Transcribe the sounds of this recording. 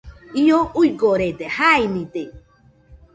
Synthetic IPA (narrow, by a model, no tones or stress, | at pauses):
ioujkoɾet̪ehainĩt̪e